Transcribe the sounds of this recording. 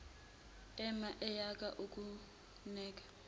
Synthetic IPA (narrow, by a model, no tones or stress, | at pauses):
ɛmaʔɛjakʼaʔuk̬ʼu | nɛːk̬ʼḁ